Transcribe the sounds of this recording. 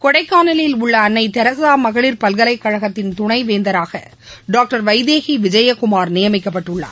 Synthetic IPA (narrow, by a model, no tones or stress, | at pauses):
kɔɽɐɪkːaːnɐlɐjɪlʊɭːɐːnːɐɪt̪ɛɾɐsaːmɐɣɐɭɪɾpɐlɣɐlɐɪkːɐɻɐɣɐt̪ːɪnt̪ʊɳɐɪʋeːnd̪ɐɾaːɣɐ̰ | ɖaːk̚ʈɐɾʋɐɪðeːɣiʋɪd͡ʒɐjɐkʊmaːɾnɪjɐmɪkːɐpːɐʈːɯɭːa̰ː